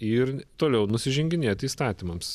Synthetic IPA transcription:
ɪɾt̪oːlʲɛʊnʊsʲɪʒʲɛŋʲɡʲɪnʲeːt̪iːst̪ɑːt̪ʲiːmɐms

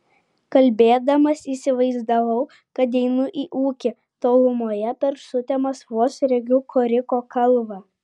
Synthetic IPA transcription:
kɐlʲbʲeːd̪ɐmɐsiːsʲɪʋɐɪzd̪ɐʋɐʊ | kɐt̪̬ɛɪnʊʔiːʔuːkʲɪ | t̪oːlˠʊmoːjɛpʲɛɾsʊt̪ʲɛmɐsʋuɔsɾʲɛɡʲukʰoːɾʲɪkoːkʰɐlˠʋɑː

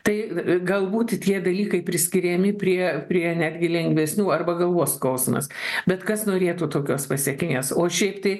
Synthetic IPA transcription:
t̪ɐɪɡɐlˠbuːt̪ʲt̪ʲiɛd̪ɐlʲiːkɐɪpʲɾʲɪsʲkʲɪɾʲɛmʲɪpʲɾʲiɛpʲɾʲiɛnʲæːd̪ʲɡʲɪlʲɛŋʲɡʲʋʲɛsʲnʲuːɐrbɐɡɐlˠʋoːsklɐʊsʲmɐ̰sbʲɛt̪kɐsnoːɾʲeːt̪uːt̪oːkʲoːspɐsʲɛkʲɪnʲeːsoːʃʲɛɪpt̪ɐɪ

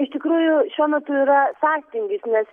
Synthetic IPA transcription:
ɪʃʲt̪ʲɪkɾuːjʊʃʲuɔmʲɛt̪ʊiːɾɐsɑːkʲt̪ʲɪŋʲɡʲɪsnʲɛs

